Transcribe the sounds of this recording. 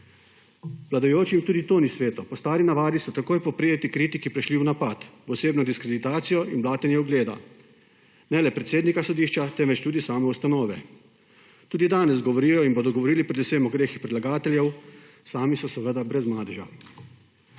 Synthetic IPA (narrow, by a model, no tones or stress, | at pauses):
ʋlad̪ɔjoːt͡ʃimt̪uːd̪it̪oːnisʋeːt̪ɔpɔst̪aːɾinaʋaːd̪isɔt̪akoːjpɔpɾeːɛt̪ikɾit̪ikipɾɛʃliwnapat̪ʋɔseːbnɔd̪iskɾed̪it̪aːt̪sijɔinblaːt̪ɛnjɛuɡleːd̪a̰ | nɛlɛpɾɛt̪seːd̪nikasɔd̪iːʃt͡ʃat̪ɛmʋɛt͡ʃt̪uːd̪isaːmɛust̪anɔːʋɛ | t̪uːd̪id̪aːnɛzɡɔʋɔɾiːjɔinboːd̪ɔɡɔʋɔɾiːlipɾɛd̪usemɔɡɾeːxixpɾilaɡaːt̪ɛljɛw | saːmisɔsɛʋəd̪abɾɛzmaːd̪ɛʒa̰